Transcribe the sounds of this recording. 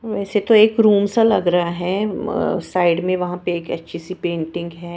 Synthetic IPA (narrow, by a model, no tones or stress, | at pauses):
ʋɛːset̪oeːkɾuːmsalɐɡɾɐɦaɦɛːsaːɪɖmẽʋɐɦãpeeːkɐ̰tːʃʰisipẽːɳʈɪ̃ŋɡɦɛː